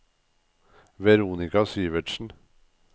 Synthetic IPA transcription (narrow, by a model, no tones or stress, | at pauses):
ʋɛɾuːnɪkɑsiːʋəʈʃn̩